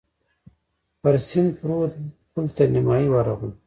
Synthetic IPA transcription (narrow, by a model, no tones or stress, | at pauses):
pɐɾsind̪pɾuːt̪̚pult̪animaːiwaɾaɣu